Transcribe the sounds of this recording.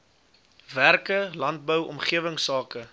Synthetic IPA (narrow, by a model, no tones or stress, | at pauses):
værkəlɐnt̚bəwɔ̰mχiəvəŋsɑːkə